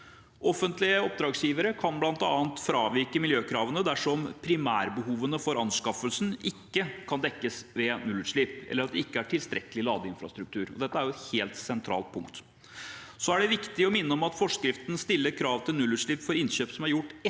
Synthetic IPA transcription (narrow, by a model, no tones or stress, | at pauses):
ʔɔfːənt̪lɪəɔp̚d̪ɾɑːɡsjiːʋəɾəkʰɑnblɑnt̪ɑːənt̪fɾɑːʋɪɾkəmɪljøːkʰɾɑːʋənəd̪æʂɔmpʰɾɪmæːɾbəɦuːʋənəfɔɾɑnskɑfəlsn̩ɪkːəkʰɑnd̪ɛkːəsʋɛnʉlʉːʂlɭiːpɛ̰lːəɾɑt̪̚d̪ɛɪkːəæʈʰɪlst̪ɾɛ̰kəlɪlɑːd̪əɪnfɾɑ̰st̪ɾʉkt̪ʰʉːɾɔ̰d̪ɛt̪ːəæɾjʊɛt̪heːlt̪sɛnt̪ʰɾɑ̰ːlt̪̚pʰʊŋkt̪ | sɔæɖɛʋɪkt̪ɪɔmɪnːəɔmɑt̪fɔʂkɾɪft̪ən̩st̪ɪlːəɾkʰɾɑːʋt̪ʰɪlnʉlːʉːʂɭiːpfɔɾɪnɕøːpsɔmæɾjʊʈː